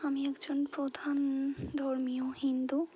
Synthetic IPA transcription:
amiɛkd͡ʑonpɾod̪ʱand̪ʱoɾmiohind̪u

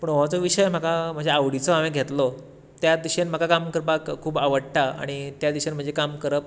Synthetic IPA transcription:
pəɳʋat͡soʋiɕəjm̤akʰam̤əɳd͡zʱeaʋɽit͡soameɡʱet̪lo | t̪jad̪iɕenm̤akakamkəɾpakkʰuːbaʋəɽʈ̪aa̰ɽ̃it̪jad̪iɕenm̤əɳd͡zʱekamkəɾəp̚

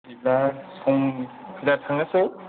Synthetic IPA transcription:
ilasɔŋkʰilatʰaŋase

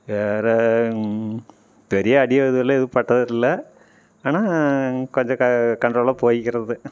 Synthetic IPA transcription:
ʋeːre | ʋɐɾijɐːɽijɐeðuɐɭːeiðɨpɐʈːɐðɐtilːɐ | aːnaːkoɲd͡ʑɐɐkɐɳʈroːɭɐpoːjikʲːirɐðɨ

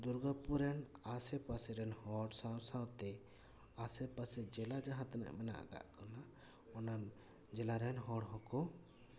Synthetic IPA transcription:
d̪uɾɡapuɾɛnasɛpasɛɾɛnhɔɽsawsawt̪ɛ | asɛpasɛd͡ʒɛlad͡ʒaɦãt̪na̰ʔmɛna̰ʔa̰ɡa̰ʔkɔna | ɔnam | d͡ʒɛlaɾɛnɦɔɽɦɔ̃kɔ

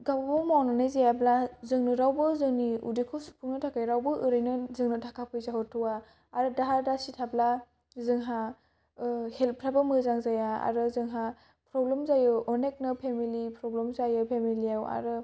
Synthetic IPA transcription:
ɡabbɯmawnanajzajablazɯŋnɯɾawbɯzɯŋniṵdikʰɔsu̥pʰuŋnɯtʰakʰajɾawbɯʔɯɾɯjnɯzɯŋnɯtʰakʰapʰɯjzaɦɯtʰɯwa | aɾɯdaɦaɾdasitʰabla | zɯŋɦa | helpʰɾabɯmɯzaŋzajaa̰ɾɯzɯŋɦa | pɾɔblemzajɯɔnek̚nɯpʰemilipɾɔblemzajɯpʰemiliawa̰ɾɯ

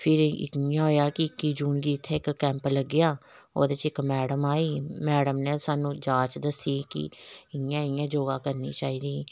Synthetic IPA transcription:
pʰɪɾɪ̰kɪjãːɦoːjaːkɪɪkːiːd͡ʒuːnɡiːɪt̪ʰːeːɪkːɛ̃ːmpləɡːɪjaːo̰ːd̪eːt͡ʃɪkmɛːɽəmaːiːmɛːɽəmneːsaːnũːd͡ʒaːt͡ʃd̪əsiːkɪ̰ɪjãːɪjãːd͡ʒoːɡaːkəɾnḭːt͡ʃaːiːd̪iː

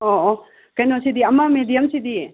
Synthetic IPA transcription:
oo | kɐjnosid̪iɐmamed̪ijɐmsid̪i

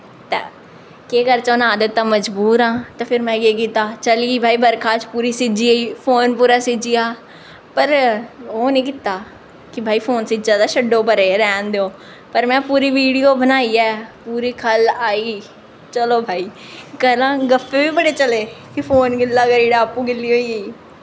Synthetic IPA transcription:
t̪ɛ̰ː | keːkəɾt͡ʃoːnaːd̪ət̪ːãːməd͡ʒbuːɾãːt̪aːpʰɪɾmɛ̃ːɡeːk̬it̪aːt͡ʃəliiːbʱaːiːbəɾkʰaːt͡ʃpuːɾiːsɪd͡ʒiːəiːpʰoːnpuːɾaːsɪd͡ʒiːjaː | pəɾoːnĩːkɪt̪aː | kɪbʱaːiːpʰoːnsɪd͡ʒaːd̪aːʃəɖõːpəɾeːɾɛːnd̪eõː | pəɾmɛ̃ːpuːɾiːʋiːɽijoːbənaːiːɛːpuːɾiːkʰəlaːiː | t͡ʃəloːbʱaːiː | kəlãːɡəfʰeːʋiːbəɽeːt͡ʃəleːkipʰoːnɡɪlːaːkəɾiːɽaːpũːɡɪlːiːoːieiː

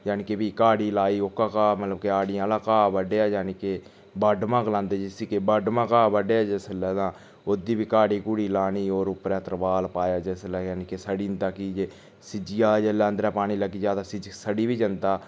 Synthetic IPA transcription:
jaːnikebiːkaːɽiːlaːiːokaːkaːmət̪ləbkeaːɽɪjãːlaːkaːbəɖeːaːd͡ʒaːniːkeː | baɖmãːklãːnd̪eːd͡ʒɪsiːkebəɖmãːkaːbəɖeːaːd͡ʒesəlɛːd̪ãː | od̪iːbiːkaːɽiːkuːɽiːlaːniːoːɾʊpɾɛ̃ːt̪əɾbaːlpaːjaːd͡ʒeslɛːjaːnikesəɽiːnd̪aːkid͡ʒeː | sɪd͡ʒɪjaːd͡ʒeːlãːnd̪ɾɛːpaːɽ̃iːləɡiːd͡ʒaːt̪aːsɪd͡ʒsəɖiːbiːd͡ʒənd̪aː

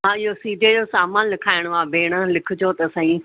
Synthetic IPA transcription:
ɦãːɪɦosiːɖed͡ʑosaːmaːnlɪkʰaːɪɽ̃aːbʱeːɽ̃əlɪkʰʊd͡ʑot̪ːsãːĩ

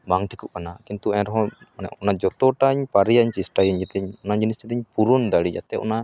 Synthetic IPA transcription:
baŋʈʰikuʔ̚kanakint̪uɛɾɔɦɔ̃nɛ̰ʔɔnad͡ʒɔt̪ɔʈaɲpaɾijaɲt͡ʃisʈajɛɲd͡ʒɛt̪ɛɲɔnad͡ʒinist͡ʃɛt̪ɛɲpuɾund̪aɽid͡ʒa̰t̪ɛʔɔ̰na

